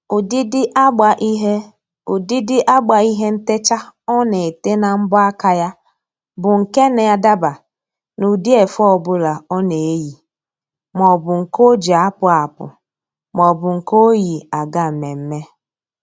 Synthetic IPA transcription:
ʊ˨di˦dɪ˦ʔa˦ɡ͡ba˨ʔi˦ɦe˦ | u˨di˦dɪ˦ʔa˦ɡ͡ba˨i˦ɦe˦n̩˦te˦t͡ʃa˦ɔ˦ne˨e˨te˦na˨m̩˦bʊ˦a˦ka˦ja˦ | bʊ˨ŋ̩˨ke˦ne˨ja˦da˦ba˨ | nu˨di˦e˨fɔ˦˨bʊ˦la˨ɔ˦ne˨e˦ji˨ | mɔ˨bʊ˨ŋ̩˨ko˦d͡ʒi˨a˦pʊ˨˦a˨pʊ̰˨ | mɔ˨bʊ˨ŋ̩˨ko˦ji˨a˨ɡa˦m̩˨me˨m̩˦me˦

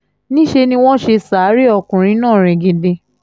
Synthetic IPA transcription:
nĩ˦ʃe˧nĩ˧w̃ɔ̃˦ʃe˧saː˨˦ɾi˦ɔ˧kũ˨ɾ̃ĩ˧˦nãː˦˨ɾ̃ɛ̃˨˧ɡĩ˧de˧

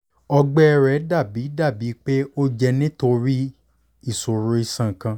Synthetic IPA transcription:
ɔ˧ɡ͡bɛ˦ɛ˧ɾɛ˨˦da˦˨bi˨˦da˦˨bi˨˦k͡pe˦o˦d͡ʒɛ˧nĩ˦to˧ɾi˦ | i˦˨so˨ɾo˨˦i˦˧sã˨kã˧

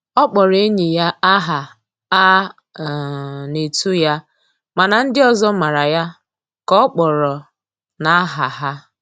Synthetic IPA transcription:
ɔ˦k͡pɔ˨ɾe˦ɲe˨ja˦a˦ɦa˨ | a˦˨ | ne˨tu˦ja˦ | ma˨na˨n̩˦dɪ˦ɔ˨zɔ˦ma˨ɾa˨ja˦ | kɔ˦k͡pɔ˨ɾɔ˨ | na˦ɦa˨ɦa˦

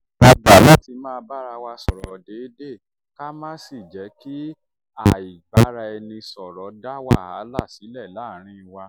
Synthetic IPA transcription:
ɔ˧da˨la˦ti˧mãː˦˧ba˦ɾa˧wa˧sɔ˨ɾɔ˨de˨˦de˦˨ | ka˦mãː˦si˦˨d͡ʒɛ˨˦ki˦ | a˨i˨ba˨˦ɾa˧ɛ˧nĩ˧sɔ˨ɾɔ˨˦da˦wa˦a˨˦la˦˨si˨˦lɛ˦˨la˨˦˨ɾ̃ĩ˧˦˧wa˧

